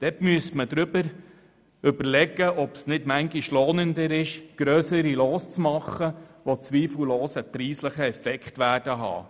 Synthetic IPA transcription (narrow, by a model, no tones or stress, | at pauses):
d̥ɛtmyəsməd̪ɾʏbəɾ | ʏbəɾlɛɡəʔɔpsnɪdmæŋɡɪʃlɔːnəndəɾɪʃɡ̥ɾøːsəɾiloːst͡smɑχːəʋot͡sʋiːfl̩loːsəpɾiːsləχəɛfɛkχtʋæːd̥əɦɑ̰ː